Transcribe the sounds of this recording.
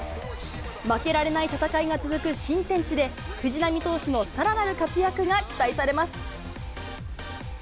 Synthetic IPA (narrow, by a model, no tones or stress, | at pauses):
make̞ɾaɾe̞nait̪at̪akaiɡat͡sɨzɨkɯ̟ɕĩnt̪ẽ̞ɲ̟t͡ɕid̪e̞ | kɯ̟ʑinamʲit̪o̞ːɕino̞saɾanaɾɯ̟kat͡sɨjakɯ̟ɡakʲi̥t̪aisaɾe̞masɨ̥